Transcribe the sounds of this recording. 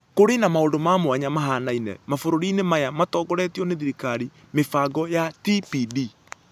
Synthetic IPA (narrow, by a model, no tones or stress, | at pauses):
koɾenamaondomamwaɲamaɦanainɛ̰mafoɾoɾinemajamatɔːɡɔɾɛtiɔneðiɾikaɾi | mefaɡɔjatipidi